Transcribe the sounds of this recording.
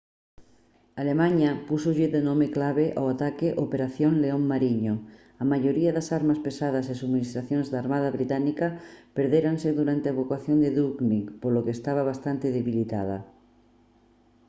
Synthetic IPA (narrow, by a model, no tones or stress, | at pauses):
alemaɲapusoʎeðenomeklaβ̞eʔawat̪akeʔopeɾaθjoŋleoŋmaɾiɲo | amaʝoɾiaðasaɾmaspesað̞asesuɣminist̪ɾaθjonzðaɾmað̞aβɾit̪anikapeɾðeɾanseðuɾant̪eaβokwaθjond̪eðuknipolokeːst̪aβ̞aβast̪ant̪eðeβilit̪a̰ðɐ̰